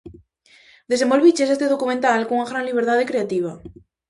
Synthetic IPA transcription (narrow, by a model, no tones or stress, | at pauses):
d̪e̞s̬embolβit͡ʃesest̪eðokumẽnt̪alkoŋuŋaɣɾanliβ̞eɾt̪að̞ekɾeat̪iβ̞a